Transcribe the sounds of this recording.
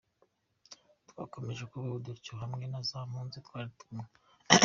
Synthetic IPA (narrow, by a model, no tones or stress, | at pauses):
twa̰ːko̞me̞ʒe̞kuβaβuduɾcioɦamŋe̞nazaːmuːnzitwaːɾitumŋe